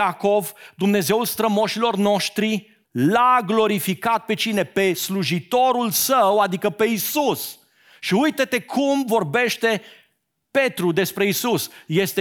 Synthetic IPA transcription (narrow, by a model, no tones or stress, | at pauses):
ako̞vd̪umne̞ze̞wulst̪ɾəmo̞ʃilo̞rno̞ʃt̪ɾi | laɡlo̞ɾifikat̪̚pe̞t͡ʃine̞pe̞sluʒit̪o̞ɾulsəwad̪ikəpe̞isus | ʃiujt̪ət̪e̞kʰumvo̞rbe̞ʃt̪e̞ | pe̞t̪ɾud̪e̞spɾe̞isusje̞st̪e